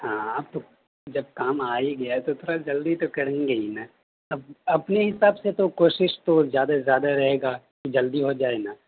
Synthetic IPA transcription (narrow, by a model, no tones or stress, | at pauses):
hãːaːp̚t̪o | d͡ʒɐb̚kaːmaːiɡɐat̪ot̪ʰoːɾad͡ʒɐld̪it̪okɐɾẽːŋɡeina | ɐb̚ɐpneɦɪsaːbset̪okoːʃɪʃt̪ozjaːd̪azjaːd̪aɾɐɦeːɡa | kid͡ʒɐld̪iɦod͡ʒaːenaː